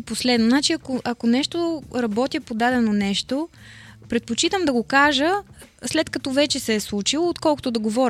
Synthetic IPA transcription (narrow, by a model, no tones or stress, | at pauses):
poslɛd̪nonat͡ʃiɐkoʔɐkonɛʃt̪oɾɐbɔt̪ʲjɐpod̪ad̪ɛnonɛʃt̪opɾɛt̪̚pot͡ʃit̪əmd̪ɐɡokaʒəslɛt̪kɐt̪ɔvɛt͡ʃɛsɛːslˠut͡ʃilˠoot̪kɔlˠkʊt̪od̪ɐɡovɔɾʲ